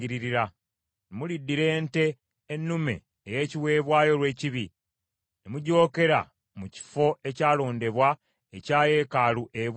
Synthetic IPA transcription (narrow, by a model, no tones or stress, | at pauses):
iɾiɾiɾa | nemulidːiɾe̞ːnte̞ː | nːumḛː | je̞ːciwe̞ːβwaːjo̞lwe̞ːciβi | nemuɟo̞ːke̞ɾa̰ | muci̥fo̞ʔe̞caːlo̞ːnde̞βwa | ecaːje̞ːkaluʔeβ